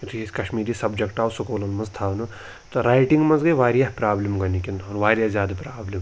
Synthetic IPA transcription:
tiskɐʃmiːɾisɐbd͡ʒekʈaːwsukoːlɐnmɐnzt̪ʰaːwnu | t̪ɐɾaːjʈiŋɡmɐnzɡɐjʋaːɾijaɦpɾaːblimɡɐnikʲinoːɾʋaːɾjazʲjaːd̪apɾaːblim

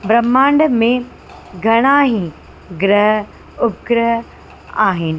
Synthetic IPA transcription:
bɾɐmːãːɳɖmẽ | ɡʱɐɽ̃aːɦĩ | ɡɾəɦə | ʊp̚kɾəɦə | aːɦɪnɪ̆

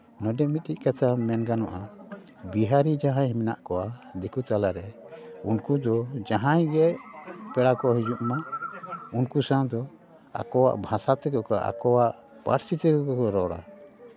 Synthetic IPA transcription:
nɔɖɛmit̪̚ˀic̚kat̪ʰamɛnɡanɔʔa | biɦaɾid͡ʒaɦãɦimina̰ʔkɔwad̪ikut̪alaɾɛ | unkud̪ɔd͡ʒaɦãjɡɛpɛɽakɔɦid͡ʒuʔma | unkusawd̪ɔ | a̰kɔwa̰ʔbʱasat̪ɛkɔkaʔa̰kɔwaʔ | pa̰ɾsit̪ɛkɔkɔkɔɾɔɽa̰

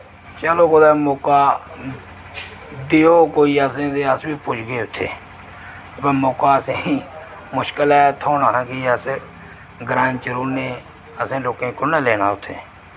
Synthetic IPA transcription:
t͡ʃəloːkod̪aːmoːkaː | d̪eːoːkoːiːəsẽːd̪eːəsbiːpʊt͡ʃɡeːʊt̪ʰːḛː | bəmoːkaːəsẽːi | mʊʃkəlɛːt̪ʰoːnaːãkiəs | ɡɾaːnt͡ʃəɾuːneː | əsẽːloːkẽːkʊnaːleːna̰ːʊt̪ʰːḛː

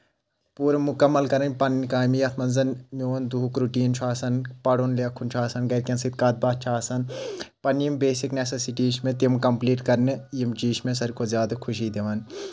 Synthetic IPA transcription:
puːɾɐmukɐmːɐlkɐɾɐnʲpɐnːkaːjmjɐt̪ʰmɐnzɐnmjoːnd̪ukɾuʈiːnt͡ʃʰaːsɐnpɐɽonlekʰunt͡ʃʰaːsɐnɡɐɾkʲɐnsit̪̚kaːt̪̚baːt̪̚t͡ʃʰaːsɐnpɐnjimbeːsiknesɐsiʈiːʃmẽt̪imkɐmpliːʈkɐɾnɨjimt͡ʃiːʃmẽs̬ɐɾkʰozjaːd̪ɐkʰuʃiːd̪eʋɐːn

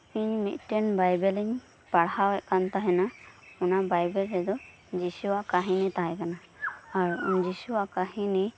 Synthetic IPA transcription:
iɲmit̪̚ˀʈɛnbajbɛliɲ | paɽhawɛʔ̪̚kant̪aɦɛnaɔnabajbɛlɾɛd̪ɔ | d͡ʒisuaʔkaɦinɛt̪aɦɛkana | aɾ̰d͡ʒisuaʔkaɦinɛ

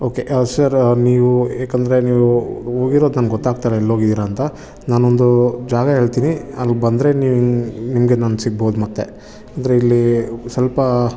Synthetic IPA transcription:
oːke̞ʔsɐɾniːʋueːkɐnd̪ɐɾe̞niːʋuoːɡiɾod̪naːnɡɔt̪ːaːɡ̚t̪aɾeilːo̞ːɡid̪iːɾaːnt̪ɐ | naːnond̪ud͡ʒaːɡɐɦeːɭt̪iːniɐlɡbɐnd̪ɾe̞niːʋnimɡe̞naːnsiɡ̚boːd̪umɐt̪ːe̞ | ɐnd̪ɐɾeilːisɐlpɐ

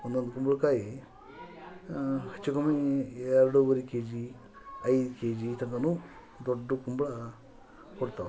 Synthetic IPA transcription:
ond̪ond̪ukumbuɭkaːji | hɐt͡ʃːukɐmieːɾuɽuʋɐɾikeːd͡ʑi | ɐjkeːd͡ʑit̪ɐŋɡɐnu | d̪oɖːukumbɐɭɐ | koɽut̪ːa

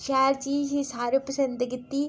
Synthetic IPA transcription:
ʃaːɾt͡ʃiːsisaːɾepəsə̃nd̪ɡɪt̪ːiː

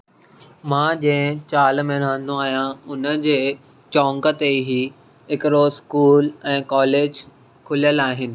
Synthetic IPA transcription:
mãːd͡ʑɐ̃ːɪ̃t͡ɕaːlmẽnãːn̆d̪oaːɦijãʊnə̆d͡ʑeː | t͡ɕɔ̃ːŋɡə̆t̪eɦi | ɦɪkɪɾoskuːlɛ̃ːkɔːleːd͡ʑ | kʰʊlijəlaːɦɪnɪ̆

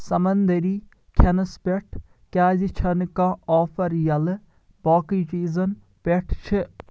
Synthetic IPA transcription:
sɐmɐnd̪ɐɾiː | kʰɐnɐspeʈʰ | kʲaːzit͡ʃʰɐnkãːɔːfʰɐɾjɐlɨ | boːkiːt͡ʃiːzɐn | peʈʰt͡ʃʰi

